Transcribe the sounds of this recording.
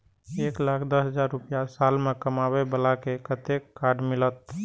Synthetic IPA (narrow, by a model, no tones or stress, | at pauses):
eːklaːkʰd̪əsɦəd͡ʒaːɾːʊpjasaːlmekəmawebəlakekət̪ekːaːɾɖmɪlət̪